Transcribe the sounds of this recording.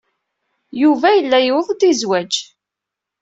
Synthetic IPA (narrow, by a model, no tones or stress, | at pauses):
juvæjəlːæjəwðˤd̪izwæd͡ʒ